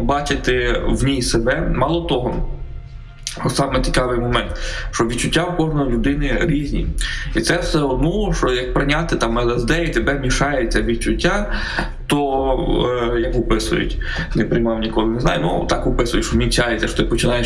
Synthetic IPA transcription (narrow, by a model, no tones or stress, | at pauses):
bɑt͡ʃɪt̪ɪwnʲijsebɛmɑlˠɔt̪ɔɦɔ | sɑmɪt͡sʲi̥kɑʋɪjmɔmɛnt̪ʃt͡ʃɔʋʲid̪t͡ʃːʊtʲːawkɔʒnɔjilʲʊd̪ɪnɪɾʲizʲnʲḭit̪sɛwsɛɔd̪nɔʃɔjɐk̚pɾɪnʲat̪ɪt̪ɑmɛlˠɛzd̪ɛit̪ebɛmʲiʃɑjet͡sʲːɐʋʲid̪̚t͡ʃʊtʲːa | t̪ɔ | jɐkʊpɪsʊ̰jʊ̰tʲ | nɛpɾɪjmɑwnʲikɔlˠɪnɛznɑ̰jʊnṵt̪ɑkʊpɪsʊjʊʃɔmʲit͡sʲajet͡sʲɐʃɔ̥t̪ɪpɔt͡ʃɪnɑje